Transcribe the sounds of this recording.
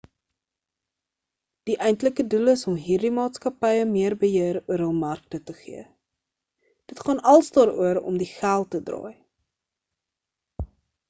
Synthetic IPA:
d̥iʔɛjntləkəduləsɔmɦiːrdimɑːtskɐpɛjəmiərbəjiəɾuəɾɦəlˠmɐrk̚tətəχḭə | d̥ətχɑːnɐlˠsdɑːɾuəɾɔ̰mdiχælˠtːədrɑ̰ːj

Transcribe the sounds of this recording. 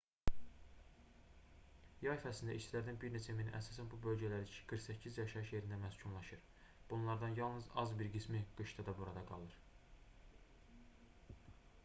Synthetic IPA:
jɑifæsind̪æ̰ʔiʃt͡ʃt͡ʃ̪ilæɾd̪ænbiɾne̞t͡ʃʰæminḭʔæ̰sɑːsænbubø̞lɟælæɾiit͡ʃʰi̥ɡ̥ɯɾxsæcʰːizjɑʃɑɯʃje̞ɾind̪æmæscʰunlˠɑʃɯɾ | b̥unlˠɑɾd̪ɑnjɑlˠnɯzɑzbiɾɡismiɡ̥ɯʃt̪ʰɑd̪ɑbuɾɑd̪ɑɡɑ̰lˠɯɾ

